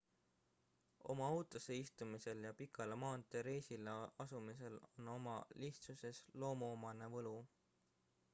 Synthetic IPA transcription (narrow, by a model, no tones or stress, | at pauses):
o̞̰mɑowt̪ˑose̞ist̪umise̞ljɑpikɑlemɑːnt̪eɾe̞ːsileɑsumise̞lo̞no̞mɑliht̪suse̞slo̞ːmoːmɑne̞vɤlu